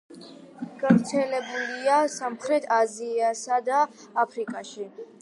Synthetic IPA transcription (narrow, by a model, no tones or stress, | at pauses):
ɡ̥avɾt̪sʰɛlɛbuliasamχɾɛt̪ʰaziasad̪aː | pʰɾikʼaʃi